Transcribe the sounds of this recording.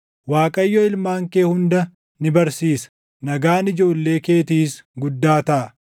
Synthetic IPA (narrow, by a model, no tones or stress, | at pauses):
waːkʼɐjːɔɪlmaːŋkeːhʊnd̪ɐ | nɪbɐɾsiːsɐ̥ | nɐɡaːnɪd͡ʒo̞ːlːe̞ːke̞ːt̪iːsɡʊd̪ːaːt̪ɐʔɐ